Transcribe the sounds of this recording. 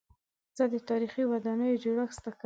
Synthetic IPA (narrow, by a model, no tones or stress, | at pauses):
zəd̪ət̪ɑɾixiwad̪ɑnəjod͡ʒoɽaxst̪ak